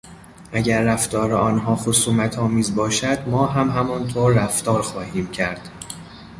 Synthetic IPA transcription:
ʔæɟæɾːæft̪ɒːɾeɒːnɦɒːxosuːmæt̪ʰɒːmiːzbɒːʃæd̪mɒːɦæmɦæmɒːnt̪ʰoːɾːæft̪ɒːɾxɒːhiːmcʰæɾd̪̥

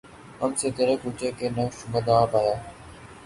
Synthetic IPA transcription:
əmseːt̪eːɾekuːt͡ʃeːkeːnəʃʊməd̪aːpaːjaː

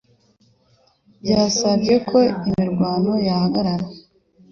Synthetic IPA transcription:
bjaːsavɟe̞kʰo̞imiɾɡwaːno̞jahaɡaɾaɾa

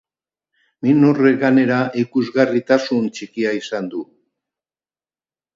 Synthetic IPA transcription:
minoreɣane̞ɾaʔikuzɣarit̪asunt͡ʃikiaisand̪u

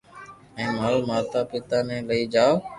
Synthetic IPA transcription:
ɛ̃ːmaːlmaːt̪aːpɪt̪aːnɛ̃ːləiːd͡ʒaː

